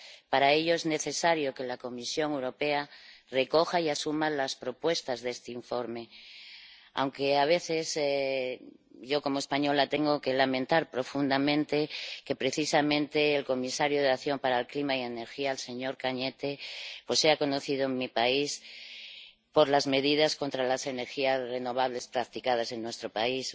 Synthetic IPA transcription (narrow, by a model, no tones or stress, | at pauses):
paɾae̞ʎoezne̞θe̞saɾjoke̞lako̞misjo̞ŋewɾo̞pe̞areko̞xaiasumalaspɾo̞pwe̞st̪azðest̪eiɱfo̞ɾme̞ | a̰wŋkeaβ̞e̞θes | ʝo̞ko̞moespaɲo̞lat̪eŋɡoke̞lamẽnt̪aɾpɾo̞fund̪amẽ̞nt̪eke̞pɾe̞θisamẽnt̪e̞ːlko̞misaɾjoð̞eaθjo̞mpaɾaelklimaie̞ne̞ɾxiaelse̞ɲo̞ɾkaɲe̞t̪e̞pwosːe̞ako̞no̞θiðoeŋmipais | po̞ɾlazme̞ðið̞asko̞nt̪ɾalase̞ne̞ɾxiazre̞no̞β̞aβle̞spɾakt̪ikað̞ase̞nːwe̞st̪ɾo̞pais